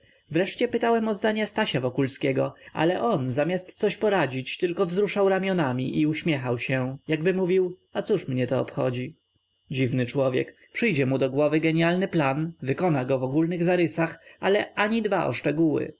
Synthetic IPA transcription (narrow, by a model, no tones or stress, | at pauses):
vɾɛʂt͡ɕɛpɘt̪awɛmɔzd̪aɲast̪aɕavɔkulskʲɛɡɔa̰lɛʔɔnzamʲjast̪sɔɕpɔɾad͡ʑit͡ɕt̪ɘlkɔvzɾuʂawɾamʲjɔnamʲiʔiuɕmʲjɛxawɕɛjaɡbɘmuvʲiwat̪suʂmɲɛt̪ɔɔ̰pxɔ̰d͡ʑi | d͡ʑivnɘt͡ʂwɔvʲjɛ̰kpʂɘjd͡ʑɛmud̪ɔɡwɔvɘɡɛɲalnɘplanvɘkɔnaɡɔvɔɡulnɘɣzaɾɘsaxalɛʔaɲid̪baʔɔ̰ʂt͡ʂɛɡuwɘ̰